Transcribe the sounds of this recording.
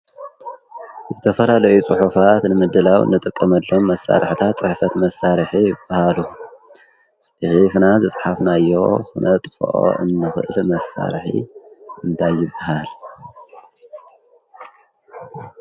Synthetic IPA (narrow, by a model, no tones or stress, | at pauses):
zɨt̪ʰɐfɐlalɐjut͡sʼuħufat̪nɨmɨd̪ɨlawɨ̰nːɨt̪ʼɨkʼːɐmɐlːo̞mːɐsːa̰ɾɨħɨt̪ʰat̪̚t͡sʼɨħfɐt̪mɐsaɾħijɪbːahalu | sʼħifnazɨsʼħafnajːo̞̰xunʔɐt̪ʼɨfo̰ʔo̰ʔɨ̰nːɨxɨʔɨlmɐsa̰ɾħḭʔɨnt̪ʰajːɪbːahal